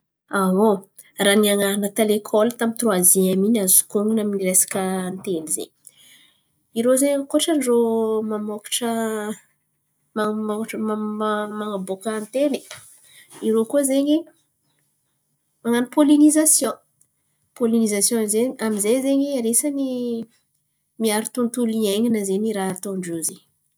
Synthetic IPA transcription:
aɦo | raniaŋanət̪elekʰɔlt̪amit̪rwaziaminazu̥kuŋunaminiresḁkənt̪enizḛɲ | iɾozeɲakoʈ͡ʂənizomamokḁʈ͡ʂə | mamokaʈ͡ʂəmamaŋabokant̪eni̥ | iɾokuəzeɲi | maŋanipolinizasjɔ̃ | polinizasjɔ̃zeɲiamizezeɲiaɾesani | miaɾit̪unt̪ulieɲinəzeniɾaat̪oɳɖ͡ʐozeɲ

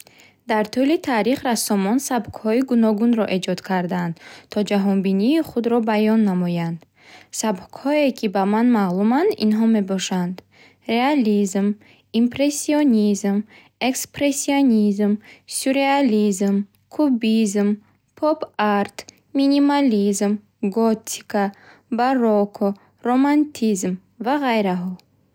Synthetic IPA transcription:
d̪̥aɾt̪ʰulit̪ʰaɾiχɾasɔmɔnsabkhɔiɡunɔɡunɾɔʔe̞d͡ʒɔd̪kʰaɾd̪aand̪t̪ʰɔd͡ʒaɦɔnbiniːχud̪ɾɔbajɔnːamɔjand̪̥ | sabkhɔekʰibamanmalumand̪ḭnɦɔme̞bɔʃand̪ | ɾealizm | impɾe̞sːionizm | e̞kspɾesionizmsuɾealizm | kʰubizm | pʰɔbaɾt̪ | minimalizm | ɡɔt̪ʰːi̥kʰa | baɾɔkʰɔ | ɾomant̪ʰizm | vaʁajɾaɦɔ

